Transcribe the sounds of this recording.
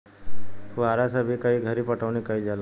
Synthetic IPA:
kuaːɾasabʱikəiɡʱəɾipəʈʰəʋnikəid͡ʒala

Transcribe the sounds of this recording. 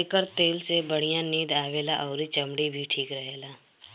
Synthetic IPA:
kəɾt̪eːlsebəɽ̤ijãniːd̪aːʋeːlaʔɔːɾit͡ʃɐmɽibʱiʈʰiːkɾɐɦeːlaː

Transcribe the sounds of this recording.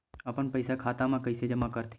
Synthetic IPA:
ɐpənpɐɪsakʰaːt̪amãkɐɪsed͡ʒɐmakəɾt̪ʰi

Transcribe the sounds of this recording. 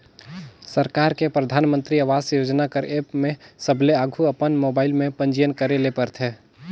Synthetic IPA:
səɾkaːɾkepɾəd̪ʱaːnmə̃nt̪ɾiəʋaːzjoːd͡ʒnakəɾeːpmẽsəbleaɡʱuəpənmoːbaːɪlmẽpə̃nd͡ʒijənkəɾelepəɾt̪ʰeː

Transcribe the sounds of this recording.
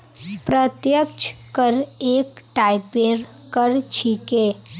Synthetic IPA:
pɾət̪jəkt͡ʃʰkəɾekʈaɪpeɾ | kəɾt͡ʃʰike

